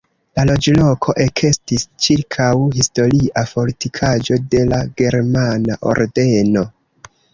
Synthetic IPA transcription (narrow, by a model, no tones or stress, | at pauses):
lalo̞d͡ʒlo̞kʰo̞ʔe̞kʰe̞stist͡ʃiɾkʰawhisto̞ɾiʔapo̞litikʰad͡ʒo̞de̞laɡe̞ɾmanaʔo̰ɾde̞no̞